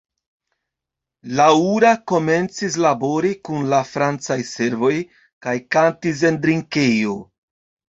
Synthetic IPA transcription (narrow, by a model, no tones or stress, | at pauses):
lauɾako̞me̞nt͡sis̬labo̞ɾikunlafɾant͡sajse̞ɾvo̞j | kajkantis̬e̞ndɾiŋkejo